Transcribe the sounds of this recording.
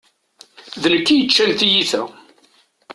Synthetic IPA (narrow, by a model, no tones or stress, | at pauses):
ðənəkːijət͡ʃːælt̪ijiθæ